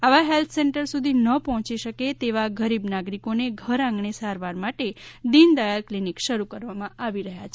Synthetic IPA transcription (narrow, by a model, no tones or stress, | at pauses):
aʋaɦelt̪ʰseɳʈəɾsud̪ʱinəpɔɦɔ̃t͡ʃiʃəket̪eʋaɡʱəɾibnaɡɾikoneɡʱəɾãŋɡɳesaɾʋaɾmaʈed̪ind̪ajaɾklinikʃəɾukəɾʋamãʔaʋiɾəɦjat͡ʃʰ